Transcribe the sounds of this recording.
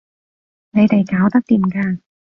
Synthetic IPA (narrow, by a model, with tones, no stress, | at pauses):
ne˨˧jt̪e˨jkaː˨˥wt̪ɐ˥k̚t̪iː˨˩mkaː˧